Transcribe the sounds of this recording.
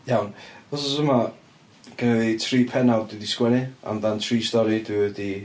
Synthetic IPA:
jawnvɔsɔsəma | ɡ̥ənɛðitʰriːpʰɛnalˠdwɪdiskwɛnɨa̰mðantʰriːstɔɾidwɪwɛdi

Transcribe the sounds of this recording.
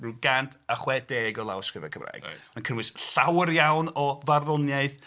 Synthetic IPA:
rɨɡantʰaχwɛd̥eːɡɔlˠa̰wskrɪvɛ̰kʰəmra̰ːɡ̥ankʰənwɨsɬawərjawnɔvarðʊnjaɨθ

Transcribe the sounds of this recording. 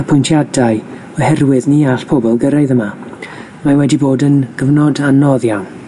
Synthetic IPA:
pʰʊjntʰjadaj | ɔhɛrwɪðniːaɬpʰɔbɔlˠɡəɾaɨðəma | mawɛdiboːdənɡ̥əvnɔdanːɔðjan

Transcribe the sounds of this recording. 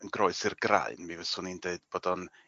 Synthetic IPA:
ənɡroɨsɪrɡra̰ɨnmivəsʊnindeɨd̥b̥oːdɔn

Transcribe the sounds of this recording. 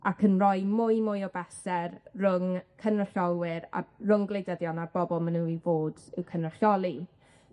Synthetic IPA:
akʰənrɔjmʊjmʊjɔbɛsɛrrʊŋkʰənrəɬɔlˠwɪɾa̰rʊŋɡlˠejdəðjɔnarb̥ɔbɔlˠmənuivoːdɪkʰənrəɬɔlˠi

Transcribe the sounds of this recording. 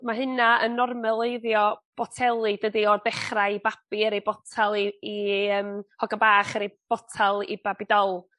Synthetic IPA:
maɦɨnaənːɔrmɛlˠeɨðjɔb̥ɔtʰɛlˠɨd̥ədiɔrdɛχrajbapiəɾejbɔtʰalˠiːəːmhɔɡabaːχəɾejb̥ɔtʰalˠḭbabidɔlˠ

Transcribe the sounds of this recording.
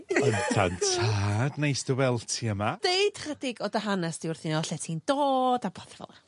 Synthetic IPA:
əntʰa̰ntʰaːdnejsd̥əwɛlˠtʰiəmad̥ejd̥r̥ədɪɡɔdaɦanɛsd̥iʊrθɪnɔɬɛtʰiːnd̥oːdabɔθvɔ̰lˠa

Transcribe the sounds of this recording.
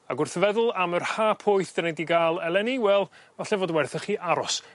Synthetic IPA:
aɡʊrθəvɛðʊlˠamərhaːpʰʊjθd̥ənediɡaːlˠɛlˠɛniwɛlˠ | vaɬɛvoːdwɛrθəχiːʔaɾɔs

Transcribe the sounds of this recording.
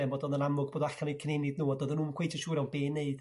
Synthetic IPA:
ɛmbɔːdɔnðənamʊɡboːdaɬanokʰənenɪdnuːɔdɔðənuːməkwejtʰɔʃuːɾɛwnbeːnːeɨd̥

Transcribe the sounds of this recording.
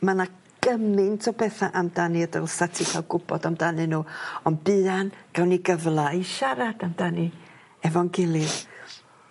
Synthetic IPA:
mana | ɡ̥əmɨntʰɔbɛθaʔamdanɨədəlsatʰɪχawɡʊb̥ɔdamdanɨnuːɔnbɨanɡ̥awniɡəvlˠaiʃaɾadamdanɨ | ɛvɔnɡɪlˠɨð

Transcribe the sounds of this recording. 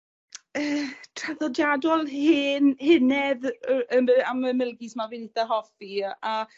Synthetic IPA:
əːtʰraðɔdjadɔlˠhɪːnhɪnɛðəməaməmɪlˠɡismavinɪθaɦɔfia

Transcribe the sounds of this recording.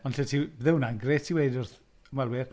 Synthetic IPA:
ɔnɬɛtʰibðɛwnanɡretʰiwejdʊrθ | əmalwɪr

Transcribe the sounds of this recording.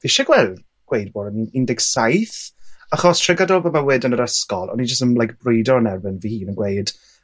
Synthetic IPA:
veʃaɡwɛlˠd | ɡ̥wejd̚boːdənɪndɪɡsajθaχɔstʰrɛɡadɔlˠbamawɪdənəɾəskɔlˠɔ̰nid͡ʒəstənlajk̚b̥rʊjdɔənɛrbɪnvihiːnənɡwejd̥

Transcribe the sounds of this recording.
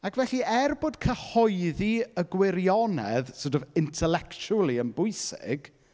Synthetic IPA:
akʰvɛɬiɛrboːd̥kʰəhɔɨðiəɡwɪɾjɔnɛðsodɔvɪntʰɛlɛkt͡ʃʰulˠiənbʊɨsɪ̰ɡ̥

